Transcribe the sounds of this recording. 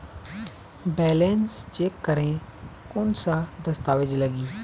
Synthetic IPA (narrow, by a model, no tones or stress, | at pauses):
bɛːlensd͡ʒeːkːəɾẽ | ʊnsãd̪ɐst̪aːʋɪd͡ʒləɡiː